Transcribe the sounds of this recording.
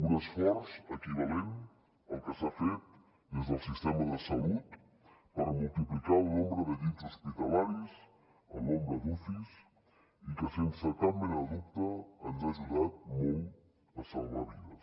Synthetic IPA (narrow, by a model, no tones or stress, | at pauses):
unəsfɔɾzəkiβalen | əlˠkəsafet̪̚ | ezðəlˠsist̪ɛməðəsalut̪ | pəɾmulˠt̪iplikalnɔmbɾəðəðizuspit̪alaɾis | ə̰lnɔmɾəðufis | ikəsensəkambənəðuk̚t̪əənzaʒuðat̪̚mɔl | əsaβa̰βiðə